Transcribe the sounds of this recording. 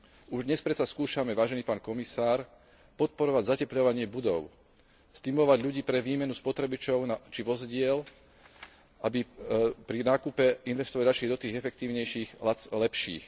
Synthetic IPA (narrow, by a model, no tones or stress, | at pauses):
uʒd̪ɲɛspɾɛt̪saskuːʃamɛʋaːʒɛniːpaːnkɔmisaːɾ | pɔt̪̚pɔɾɔʋaɟzacɛpʎɔʋaɲɪɛbud̪ɔʊ | st̪imulɔʋaɟʎuɟiːpɾɛʋiːmɛnuspɔt̪ɾɛbit͡ʃɔʊnat͡ʃiʋɔzɟɪɛl | ʔabipɾinaːkupɛinʋɛst̪ɔʋaliɾat͡ʃlid̪ɔt̪iːɣɛfɛkt̪iːʊɲɛjʃiːxlɛpʃḭːx